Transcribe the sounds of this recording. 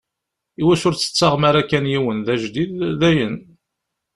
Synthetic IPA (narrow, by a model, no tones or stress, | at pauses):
iwæʃʊɾt͡sːə̥t͡sːaʁmaɾækːænjiwənðæʒd̪iððæjən